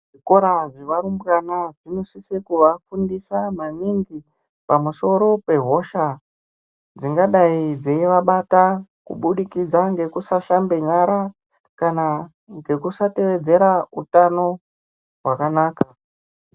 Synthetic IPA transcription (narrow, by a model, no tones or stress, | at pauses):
ʐiko̞ɾaʐiʋaɾumbranaʐino̞sisekuʋafundisamaniŋɡi | pamuso̞ɾo̞pe̞ɦo̞ʃa | d͡ziŋɡaɗaid͡zeiʋaɓatakṵɓuɗikid͡zaŋɡe̞kusaʃambe̞ɲaɾa | kana | ŋɡe̞kusate̞ʋe̞d͡ze̞ɾautano̞ | ɦwakanaːka